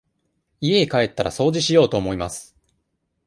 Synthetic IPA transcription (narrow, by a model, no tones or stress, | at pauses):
ie̞kae̞t̪ːaɾa̰so̞ːʑiɕijo̞ːt̪o̞ːmo̞imasɨ̥